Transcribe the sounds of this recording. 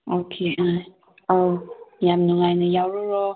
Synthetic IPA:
okʰea | ojamnɔŋajnajawɾɔɾɔ

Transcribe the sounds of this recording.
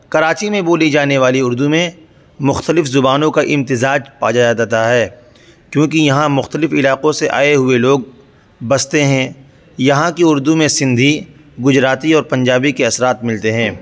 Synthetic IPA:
kɐɾaːt͡ʃimẽboːlid͡ʒaːneʋaːliʊɾd̪umẽ | mʊxt̪əlɪfzʊbaːnõkaʔɪ̃mt̪ɪzaːd͡ʒpaːd͡ʒaːjad̪aːt̪aɦɛː | kjõːkijɐɦãmʊxt̪əlɪfɪlaːqõseʔa̰ːeɦʊeloːɡ̚ | bɐst̪eɦɛ̃ː | jɐɦãkiʊɾd̪umẽsɪ̃nd̪ʱi | ɡʊd͡ʒɾaːt̪iɔːɾpɐ̃ɲd͡ʒaːbikeɐsɾaːt̪mɪlt̪eɦɛ̃ː

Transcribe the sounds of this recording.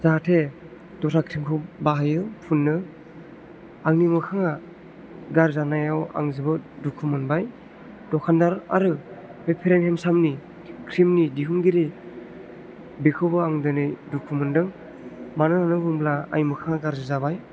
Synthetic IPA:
zaɦatʰe | dɔɾʰakʰɾimkʰɯbaɦajɯpʰunːɯ | aŋnimɯkʰaŋa | ɡaɾzanajawa̰ŋzɯbɯdukʰɯmɯnbaj | d̥ɔkʰandaɾa̰ɾɯpepʰeɾenhemsamni | kʰɾimnidiɦuŋɡiɾi | bikʰɯwbɯaŋdɯnɯjdukʰumɯndɯŋ | manɯnanɯbuŋblaa̰jmɯkʰaŋaɡaɾzɯzabaj

